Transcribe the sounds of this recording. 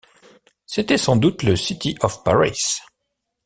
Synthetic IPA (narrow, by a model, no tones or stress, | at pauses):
set̪ɛsɑ̃d̪ut̪ləsit̪ʰiʔɔfpa̰ʁḭs